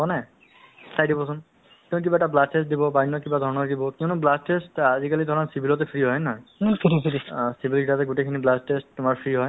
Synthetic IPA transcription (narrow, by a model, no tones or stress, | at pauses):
ɔnɛ | sʰajdibɔsʊn | kiɔnʊkibaɛtablastestdibɔbanːɔkibad̪ʱɔɹɔnɔɹdibɔkiɔʊnʊblastestazikalid̪ʱɔɹɔnsibilɔtɛpʰɹiɦɔjnaɦɔjpʰɾiiɾisibilɡʰʱitatɛɡutejkʰiniblastesttʊmaɹpʰɹiɦɔj